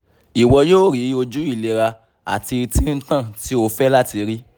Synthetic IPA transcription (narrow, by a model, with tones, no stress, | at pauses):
i˨wɔ˧joː˦˨ɾi˨˦o˧d͡ʒu˦i˦˨le˨ɾa˧ | a̰˨ti˧tĩ˦n̩˦tã˦˨ti˨˦o˧fɛ˦la˦ti˧ɾi˦